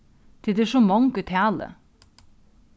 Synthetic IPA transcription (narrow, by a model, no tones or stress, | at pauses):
t̪ʰɪd̪eːʂɔmɑŋkʉt̪ʰæːlə̰